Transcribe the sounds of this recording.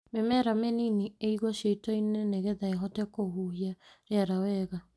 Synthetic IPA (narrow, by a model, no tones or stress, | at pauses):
memɛɾameninieiɣɔɕeitɔineneɣeðaeɦɔtɛkoɦuɦiaɾeaɾawɛɣa